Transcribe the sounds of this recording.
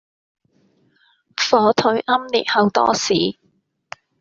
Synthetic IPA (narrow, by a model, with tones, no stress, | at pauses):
fɔː˨˥t̪ʰɵ˨˥ɥʔɐ˥mlḭ˨t̚hɐ˨˧wt̪ɔ̰ː˥siː˨˦